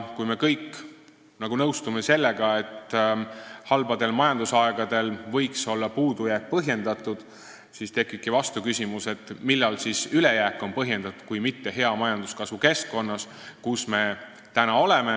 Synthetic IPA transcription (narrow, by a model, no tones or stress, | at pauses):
kujme̞kɤjkːˑ | nɑɡ̥unɤwst̪umese̞lːe̞ɡ̥ɑe̞t̪ː | hɑlbɑd̪̥e̞lmɑjɑnd̪usɑeɡ̥ɑd̪̥e̞lvɤjkso̞lːɑpuːd̪ujæːk̚pɤɦje̞nd̪̥ɑt̪ːˑud̪̥ | sist̪ekːˑikːivɑst̪ukysʲimuse̞t̪ːˑmilːɑlsisyle̞jæːkːˑo̞npɤɦje̞nd̪̥ɑt̪u̥kujmit̪ːe̞ɦe̞ɑmɑjɑnd̪̥uskɑsvuke̞skːo̞nːɑs | kusme̞ | t̪ænɑo̞le̞me